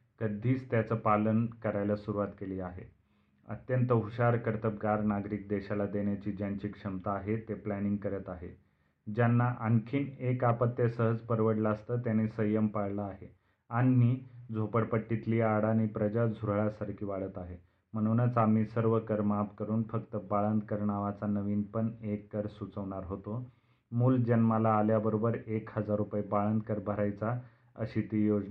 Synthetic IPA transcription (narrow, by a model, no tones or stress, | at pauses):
kəd̪ʱiːt͡st̪jat͡səːpalənkəɾajlasuɾuʋat̪keliːaɦḛ | ə̰t̪jənt̪əɦuɕaɾkəɾt̪əp̚ɡaɾnaɡɾiːk̚d̪eɕalad̪eɳjat͡ɕiːd͡ʑjaɲt͡ɕiːkʂəmt̪aːɦet̪eplæniŋɡ̚kəɾət̪aɦe | d͡ʑjanːaʔaŋkʰiːnekapət̪ːjəsəɦəd͡zpəɾʋəɽlast̪əːt̪janisəjəmpaɽləaɦe | anːiːd͡zʱopəɽpəʈːit̪liːaɽaniːpɾəd͡ʑad͡zʱuɾɭasaɾkʰiːʋaɭət̪aɦe | m̤əɽ̃unət͡samiːsəɾʋəkəɾmapkəɾuːnfəkt̪əbaɭənd̪kəɾɳaʋat͡sanəʋiːnpəɳekːəɾsut͡səʋɳ̃aɾɦot̪o | muːld͡ʑənmalaːljabəɾobəɾekhəd͡zaɾupajibaɭənd̪kəɾbʱəɾajt͡sa | ə̰ɕit̪ijod͡zna